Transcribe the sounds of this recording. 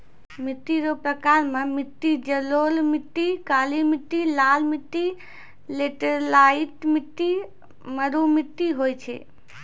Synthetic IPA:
mit̪ːiɾopɾəkaɾmẽmɪʈ̪ːid͡ʒəlolmiʈ̪ːikalimɪʈ̪ːilaːlmiʈ̪ːi | leʈəɾlaiʈmiʈ̪ːi | məɾumiʈ̪ːiɦojt͡ʃʰḛ

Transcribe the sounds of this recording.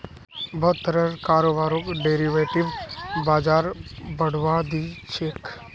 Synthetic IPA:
bɐɦʊt̪ːəɾəɾkaːɾoːbaːɾõkɖeːɾiʋeːʈɪʋbaːd͡ʒaːɾbəɽ̤ʋad̪it͡ʃʰeːk

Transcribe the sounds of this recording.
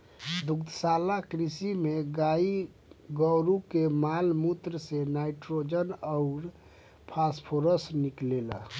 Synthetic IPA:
d̪ukt̪əsalakɾisimeɡai | ɡɔɾukemalmut̪ɾəsenaiʈɾod͡ʒənɔʊɾ | pʰaspʰoɾəsniklelə̰

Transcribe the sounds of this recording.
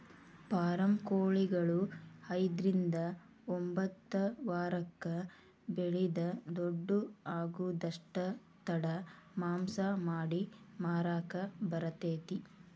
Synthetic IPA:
paːɾɐmkoːɭiɡɐɭuɐjd̪ɾind̪ɐ | ombɐt̪ːɐʋaːɾɐkːɐ | beɭid̪ɐd̪oɖːuaːɡud̪ɐʂʈɐ | t̪ɐɽɐmaːmsɐmaːɽimaːɾaːkɐbɐɾɐt̪eːt̪i

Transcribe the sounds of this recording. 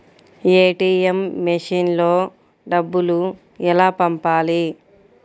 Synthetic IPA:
eːʈiːemːeʂiːnlo̞ː | ɖɐbːulu | ɛlaːpɐmpaːli

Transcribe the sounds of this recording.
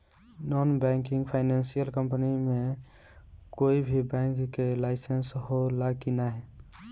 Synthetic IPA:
nɔnbɛ̃ŋkĩŋɡpʰaɪnansijəlkəmpənime | koibʱibɛ̃ŋkːelaɪsensɦolakinaɦɛ

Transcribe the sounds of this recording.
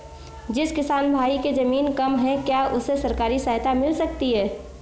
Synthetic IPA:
d͡ʒɪskɪsaːnbʱaːiked͡ʒɐmiːnkɐmɦɛ̃kjaʊsesɐɾkaːɾisəɦt̪amɪlsɐkt̪iɦɛː

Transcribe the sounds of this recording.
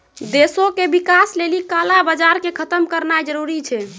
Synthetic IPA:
d̪esokebikaslelikalabəd͡ʒaɾkekʰət̪əmkəɾnad͡ʒəɾuɾit͡ʃʰɛ

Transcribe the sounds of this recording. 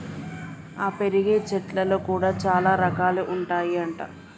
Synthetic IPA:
aːpe̞ɾiɡeːt͡ʃɛʈlɐlo̞ːkuːɽaːt͡ʃaːlaːɾɐkaːleːʔuɳʈaːjiɐɳʈa̰ː

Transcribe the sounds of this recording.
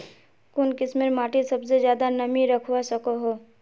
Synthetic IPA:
kʊnkɪsmeɾmaːʈisɐbsezjaːd̪anɐmiɾɐkʰwasɐkoɦoː

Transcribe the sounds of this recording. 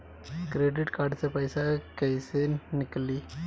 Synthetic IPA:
kɾeːɖɪʈkaːʈsɐpɐɪsakɐɪsenːɪkːɐli

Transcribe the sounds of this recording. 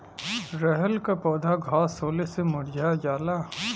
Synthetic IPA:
ɾɛɦəlkapɔːd̪ʱaɡʱaːsoːlesemʊɽd͡ʒajaːla

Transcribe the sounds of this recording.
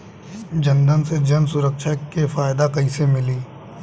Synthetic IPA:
d͡ʒɐ̃nd̪ənsed͡ʒɐnsʊɾəkʃakefaːɪd̪akɐisemɪliː

